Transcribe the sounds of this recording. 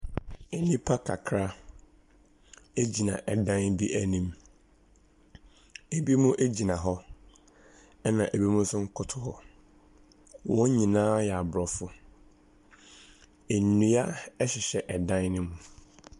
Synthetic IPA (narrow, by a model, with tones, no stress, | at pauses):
e˨nĩ˦pʰa˦kʰa˨kʰɾa˦ | e˦d͡ʑi˨nã˨ʔɛ˨dã˦nbi˦ʔæ˦nĩ˦m | e˨bi˦mũ˦ʔe˦d͡ʑi˨nã˨ɦɔ˦ | ɛ˦nã˨ʔe˨bi˦mũ˦sʊ˦ŋ̩˦kʰʊ˦tʰʊ˨hɔ˦ | wɔ̃˦ɲĩ˨nãː˦jɛ˨a˨bɾɔ˨fʊ˦ | e˨n˨nũ˨a˦ɛ˦ɕɪ˨ɕɛ˨ʔɛ˨dã˦nnɪ̃˦mũ˨